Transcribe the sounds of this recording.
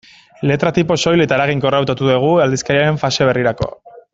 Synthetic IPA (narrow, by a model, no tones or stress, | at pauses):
le̞t̪ɾat̪ipo̞so̞jle̞t̪aeɾaɣ̞iŋko̞rawt̪at̪uðeɣ̞uald̪iskaɾiaɾe̞ɱfase̞β̞e̞riɾako̞̰